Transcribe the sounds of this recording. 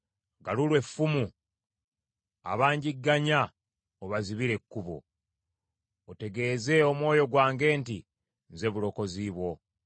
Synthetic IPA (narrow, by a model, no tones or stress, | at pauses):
ɡalulwe̞fːumu | a̰βaːɲɟiɡːaɲa | oβaziβiɾe̞kːuβo̞̰ | ote̞ɡe̞ːze̞o̞mwo̞ːjo̞ɡwaːŋɡe̞ːnti | nze̞βulo̞ko̞ziβwo̞